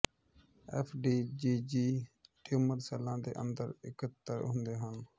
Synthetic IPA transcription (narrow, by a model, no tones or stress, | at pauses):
ɛːpʰɖiːd͡ʒiːd͡ʒiːʈuːməɾsɛːlãːd̪ḛːʔə̰nd̪əɾɪkət̪ːəɾɦʊ̃nd̪eːɦən